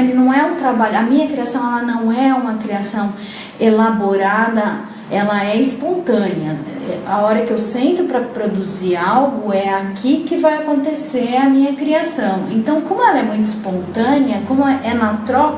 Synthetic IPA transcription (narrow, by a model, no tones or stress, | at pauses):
nɐ̃w̃ɛũt̪ɾabaʎʊɐmĩɲɐkɾiasɐ̃w̃ɛlɐnɐ̃w̃ɛũmɐkɾiasɐ̃w̃ | elaboɾad̪ɐ | ɛlɐɛispõnt̪ɐ̃niɐ | ɛaɔɾɐkɪewsẽnt̪ʊpɾɐpɾod̪uziɾawɡʊɛakʰikɪvajakõnt̪eseɾɐmĩɲɐkɾiasɐ̃w̃ḛ̃nt̪ɐ̃w̃kõmʊɛlɐɛmũj̃t̪ʊɪspõnt̪ɐ̃niɐkõmʊɛnɐt̪ɾɔk